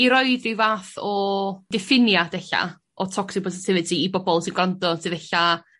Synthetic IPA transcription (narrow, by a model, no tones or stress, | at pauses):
iɾɔɨdriwvaːθɔd̥ɪfɪnjad̥ɛɬa̰ | ʔɔtʰɔksɪk̚pʰɔs̬ɪtʰɪvɨtʰiːbɔbɔlˠsinɡ̥landɔtʰɨðɛɬa